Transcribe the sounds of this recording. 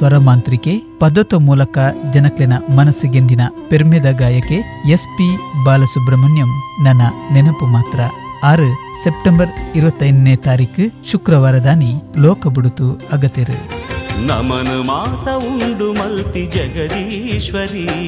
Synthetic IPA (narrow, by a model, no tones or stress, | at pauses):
sʋɐɾɐmaːnt̪ɾikepɐd̪ot̪ːomuːlɐkɐd͡ʒɐnɐklenɐmɐnɐsːiɡend̪inɐpeɾmjɐd̪ɐɡaːjɐke | espibaːlɐsubɾɐmɐnjɐmnɐnːɐnenɐpumaːt̪ɾɐaːɾu | sep̚ʈembɐɾiɾuʋɐt̪ːɐjninːet̪aːɾiːkɨʃukɾɐʋaːɾɐd̪aːnilɔːkɐbuɽut̪uɐɡɐt̪ːiɾṵnɐmɐnumaːt̪ɐuɳɖumɐlt̪id͡ʒɐɡɐd̪iʃʋɐɾi